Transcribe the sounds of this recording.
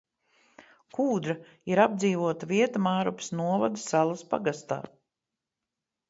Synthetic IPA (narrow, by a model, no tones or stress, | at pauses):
kuːd̪ɾa | iɾab̚d̪ziːvuɔt̪aviɛt̪amaːɾupsnuɔvad̪ɨsalˠaspa̰ɡast̪a̰ː